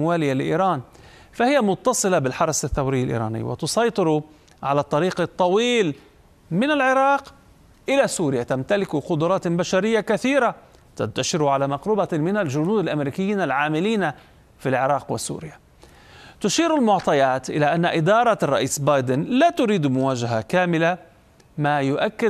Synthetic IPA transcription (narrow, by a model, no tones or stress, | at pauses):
waːlɪjːalɪʔḭːɾɑːn | fahɪjamʊt̪ːɑsˤɨlabɪlħɑɾˤɑsaθːawɾɪjːalʔḭːɾˤɑ̰ːnɪ̰ːwɪ̰t̪ʊsɑjt̪ˤɨɾ | ʕalat̪ˤːɑɾiːqɑt̪ˤːɑwiːl | mɪnalʕɪɾɑːq | ʔɪlasuːɾɪjat̪amt̪alɪkʊqʊd̪ʊɾˤɑːt̪baʃaɾɪjːakaθiːɾa | t̪a̰nt̪aʃɪɾʕalamɑqɾubamɪnalʒʊnuːd̪alʔamɾiːkɪjːiːnalʕaːmɪliːna | filʕɪɾˤɑːqwɪsṵːɾɪja | t̪ʊʃiːɾalmʊʕt̪ˤɑjaːt̪ʔɪlaʔanːaʔɪd̪ɑːɾˤɑrˤːɑ̰ʔiːsbɑːjd̪ɪnlaːt̪ʊɾiːd̪mʊwaːʒaɦakaːmɪla | maːjʊʔakːɪ